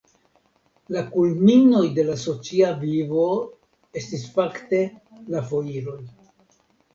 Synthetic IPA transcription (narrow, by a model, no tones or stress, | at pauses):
lakulmino̞jde̞laso̞t͡siavivo̞ | e̞stisfakte̞ | lafo̞iɾo̞j